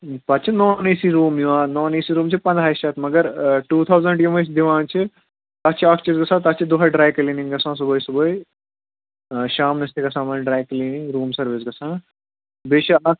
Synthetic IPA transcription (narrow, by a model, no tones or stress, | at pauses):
pɐt̪ːt͡ʃʰinoːniːsiɾuːmjuʋãːnoːniːsiɾuːmt͡ʃʰipɐ̃nd̪ʱaːjʃɐt̪mɐɡɐɾʈuːt̪ʰaːwzɐ̃ɳɖjimɐt͡ʃʰd̪iʋãːnt͡ʃʰi | t̪ɐt͡ʃʰiɐkʰt͡ʃizɡɐsãːt̪ɐt͡ʃʰid̪uɦaɖɾaːjkɐliːnĩŋɡɐsãːs̬uboːjsuboːj | ʃaːmnɐst̪ikɐsãːmaːnɖɾaːjkɐliːnĩŋɾuːmsɐɾʋisɡɐsãː | beːʃɐɐk̚